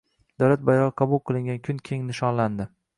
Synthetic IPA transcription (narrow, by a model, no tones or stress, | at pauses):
d̪̥awlat̪̚bajɒʁɑqʰɑbʊlˠqʰɨlˠɪŋɡʲankʲʰʊnkʲʰe̞ŋnɪʃɒnland̪ɪ